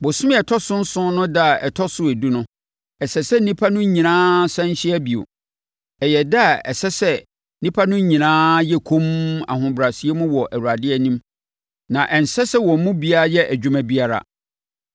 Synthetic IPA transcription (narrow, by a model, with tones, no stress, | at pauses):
bʊ˨sʊ˦m˦ɛ˨tʰɔ˦sʊ̃˦n̩˦sʊ̃˦nʊ̃˦da˦˨ɛ˨tʰɔ˦sʊ˦e˨du˦nʊ̃˦ | ɛ˨sɛ˨sɛ˦n̩˦nĩ˦pʰa˦nʊ̃˦ɲĩ˨nãː˦sɛ̃˦n˦ɕɪ˦ɛ˦bi˨o̰˨ | ɛ˨jɛ˨da˦˨ɛ̰˨sɛ˦sɛ˦ | nĩ˦pʰa˦nʊ̃˦ɲĩ˨nãː˦jɛ˦kʰõ˦ma̰˨ɦʊ̃˨bɾa˨si˦e˦mʊ̃˦wɔ˨ʔæ˨wu˨ɾa˨dɪ˦ɛ˦nĩ˦m | nã˨ʔɛ˨n̩˨sɛ˦sɛ˦wɔ̃˨m˦mʊ̃˦bi˦a˦a˦jɛ˦ʔæ˨d͡ʑᶣu˦mæ̃˨˦bi˦a˦ɾa̰˨